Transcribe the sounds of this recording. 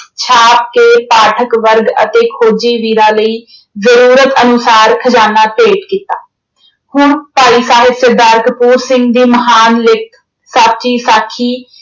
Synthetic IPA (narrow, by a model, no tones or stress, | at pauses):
t͡ʃʰaːp̚keːpaːʈʰəkʋəɾɡə̰t̪eːkʰoːd͡ʒiːʋiːɾãːləiː | zəɾuːɾət̪ənʊsaːɾkʰəd͡ʒaːnaːpeːʈkiːt̪a̰ː | hʊɳpaːiːsaːɦɪbsɪd̪aːɾkəpuːɾsɪ̃ŋɡd̪iːməɦaːnlɪk | saːp̚t͡ʃiːsaːkʰiː